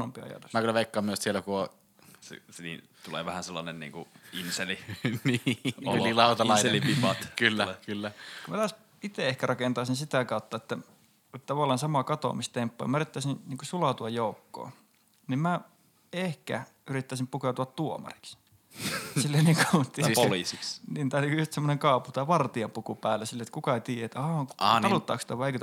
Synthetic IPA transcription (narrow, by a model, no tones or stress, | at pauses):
ompiɑ̰jɑ̰t̪u̥ksmækylæʋeˑikːɑːmyøssielːækuo | sḛsnḭ | t̪ulḛːʋæhænselːɑnennḭːŋkuinseliniolilɑˑut̪ɑnɑˑilipipɑt̪kylːækylːæumæt̪ɑːs | it̪eehkærɑkent̪ɑːˑsinsit̪ækɑˑut̪ːɑet̪ːæ | tt̪ɑʋɑˑlːˑɑːnsɑmɑkɑt̪o̰mist̪empːo̰jɑ̰mæyrit̪ːæsĩnniːŋkusulɑˑt̪uɑjjoˑukːo̰ː | nimmæ | ehkæ̰ | yrit̪ːæˑisimpukeut̪uɑt̪t̪uomɑ̰ri̥ks | silːeniːŋkut̪olisiksniːnt̪æˑtykjust̪semːoneŋkɑˑːuput̪æːʋɑrt̪iɑmpukupæːlːesilːeet̪kukɑt̪iːjæet̪ɑːɑt̪ɑlut̪ːɑːˑkst̪ɑʋɑˑeikø